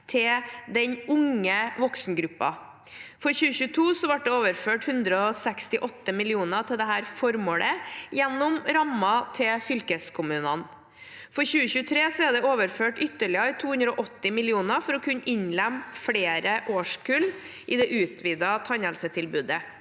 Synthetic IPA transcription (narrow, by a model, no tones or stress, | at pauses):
t̪ʰɪd̪ɛɲʊŋəʋɔksnəɡɾʉpːɑ̰ | fɔɾçʉːəçʉːt̪ʰuːsɔʋɑʈ̚d̪ɛoːʋəɾføːʈhʉnd̪ɾəɔsɛkst̪ɪʔɔt̪ːəmɪlɪuːnət̪ʰɪld̪ɛɦæːɾfɔɾmoːlʔəjɛnːʊmɾɑmɑt̪ʰɪfʏlkəskʰʊmʉːnən | fɔɾçʉːəçʉːt̪ʰɾeːsɔɛɖ̪ɛoːʋəɾføːʈʏt̪ːəɭɪɑɪt̪ʰuːhʉnd̪ɾɔːʔɔt̪ːɪmɪlɪuːnəɾfɔɾɔkʰʉnːɪɲlɛmːfɽeːɾəʔoːʂkʰʉl | ʔɪd̪ɛʔʉːt̪ʰʋiːd̪ɑt̪ʰɑɲəlsət̪ʰɪlbʉːd̪ə